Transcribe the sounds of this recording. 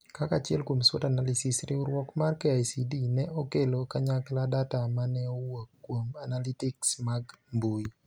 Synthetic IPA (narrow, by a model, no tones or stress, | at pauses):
kakat͡ʃɪɛlkwomswɔtanalisɪsɾɪʊɾwɔkmarkɛajsidinɛʔokelokaɲakladatamanɛowokːwomanalitɪksmaɡmbui